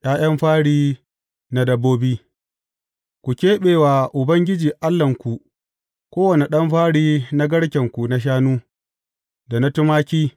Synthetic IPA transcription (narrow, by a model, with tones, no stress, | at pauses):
jʔaː˦j̰ɐ˦mɸaː˦ɽiː˦ | na˦dɐ˦bːoː˦biː˦ | kʷu˨kʲeː˦ɓeː˨waː˨ʔʊ˨bɐ˦ŋɡʲɪ˦d͡ʒiː˨ʔa˦lːɐ˨ŋkʷu˨ | kʷoː˦wɐ˨ne˨ɗɐ˦mɸaː˦ɽiː˦na˦ɡɐ˦ɽkʲɐ˨ŋkʷu˨na˦ʃ̬aː˦nuː˦ | da˨na˦tʊ˦maː˦kʲiː˦